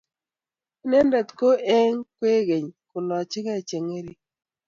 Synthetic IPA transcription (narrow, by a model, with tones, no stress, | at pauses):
nɛ˦ndɛ˨t̪ko˦ʔɛ˦ŋkwe˦ɡe˨ɲkʊ˨lɔ˨t͡ʃɪ˦kɛ˦˨t͡ʃe˨ŋe˦ɾi˦